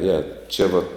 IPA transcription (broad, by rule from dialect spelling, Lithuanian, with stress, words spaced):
ˈjɛ ˈt͡ʃʲɛ ʋɐ